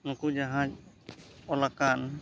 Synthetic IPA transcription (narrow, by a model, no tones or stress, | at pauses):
nukud͡ʒaɦã | ɔlakan